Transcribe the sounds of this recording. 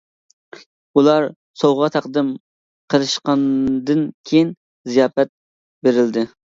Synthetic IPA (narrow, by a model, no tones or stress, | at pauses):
ulˠɑɾ | sowʁɑt̪ʰɑqd̪ɨm | qʰəlˠɨʃqɑnd̪ɨnkʲʰejin | zijɑːpɛt̪̚ | beɾɪld̪ɪ